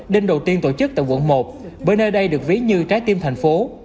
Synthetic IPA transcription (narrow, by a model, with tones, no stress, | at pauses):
ɗe˧nɗo˨˩wt̪i˧ənt̪o˧˩t͡ɕɨ˦˥k̚t̪aː˧˨jkwṵ˧˩ənmo˨˩t̚vəː˨˦jnəː˧jɗə˧jɗɨ˨˩ək̚vi˨˦əɲɨ˧t͡ɕaː˨˦jt̪i˧mt̪ʰa˨˩ŋ̟fo˨˦